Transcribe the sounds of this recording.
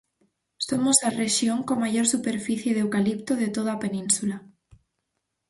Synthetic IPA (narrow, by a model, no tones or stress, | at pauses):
somozareʃjoŋkomaʝoɾsupe̞ɾfiθjeðewkalip̚t̪oðet̪oð̞ape̞nĩnsula